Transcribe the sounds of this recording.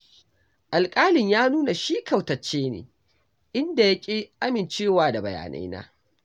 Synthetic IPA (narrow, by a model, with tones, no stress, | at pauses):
ʔa˨lkʼaː˦lɪ˨ɲjaː˦nuː˦na˨ʃiː˦ka˨wtɐ˨t͡ʃːeː˦nḛː˨ | ʔɪ˦nda˨ja˦kʲʼeː˦ʔa˦mɪ˨nt͡ʃeː˦˨waː˦da˨bɐ˨ja̰ː˨nʔa̰˦jna̰ː˦